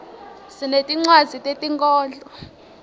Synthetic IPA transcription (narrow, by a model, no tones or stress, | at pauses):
sinetʼiŋ͡ǀwazitʼetʼiŋkʼɔːnd͡ɮʼɔ